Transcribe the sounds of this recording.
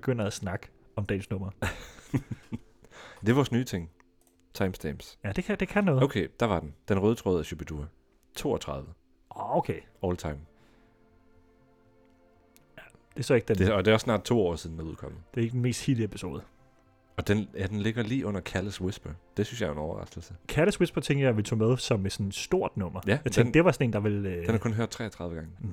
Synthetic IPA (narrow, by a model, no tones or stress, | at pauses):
beɡ̥øn̰ɐæsnɑ̈ɡ̥ə̥ɒ̽md̥ɛ̰ːnsnɔ̽m̰ɐ | d̥e̝ʋɑsnyːt͡sʰe̝ŋ̰ | t͡sʰɑ̈ɪmsd̥eːmsjæd̥e̝kʰæd̥e̝kʰænːɔ̽ːðoʊkʰḛd̥ɑ̈ʋɑ̈d̥end̥enʁœːðˠət͡sʰʁɔːð̩ˠæɕyb̥ʰed̥uɐ | t͡sʰo̝̰ːɒt͡sʰʁɑ̈ð̞ˠʋə | ɔoʊkʰe | ɒːlt͡sʰɑ̈ɪm | jæd̥e̝sɒe̝ɡ̥əd̥endeɒd̥e̝æɒsːnɑ̰̈ːd̥̚t͡sʰo̝̰ːɒ̰ːsið̞ˠn̩æuð̰ˠkʰɒ̽m̰ð̩ˠd̥e̝e̝ɡ̥d̥enme̝̰ːsd̥hiliepʰi̥so̝̰ːð̞̩ˠ | ɒ̽d̥enjæd̥enle̝ɡ̥ɐliːʔɔ̽n̰ɐkʰæləswe̝sb̥ɐd̥e̝synsjɑ̈ɪenɒʊɐʁɑ̈sd̥l̩səkʰæɐləswe̝sb̥ɐt͡sʰeŋ̰ɡ̥jɑ̈ɪʋe̝lt͡sʰo̰ːmeðˠsɒ̽med̥sɒ̽nsd̥o̝ɐ̰d̥nɔ̽m̰ɐjæjɑ̈t͡sʰeŋɡd̥e̝ʋɑ̈sɒne̝̰ːnd̥ɑ̈ʋe̝l̥enhɑkɔ̽nɦøɐd̥̚t͡sʰʁɛ̰ːt͡sʰʁɑ̈ð̞ˠʋəɡɑ̈ŋə